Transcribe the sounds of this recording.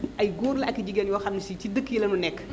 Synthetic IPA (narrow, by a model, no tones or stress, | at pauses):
ʔɐjɡuːɾlɐɐkːiɟiɡɐnjɔːxɐmnisicidəkːjilɐnunɛkː